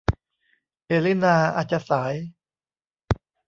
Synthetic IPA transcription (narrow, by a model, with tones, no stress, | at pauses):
ʔe˧li˥˩naː˧a̰˧˩t͡ɕa˧saː˩˦j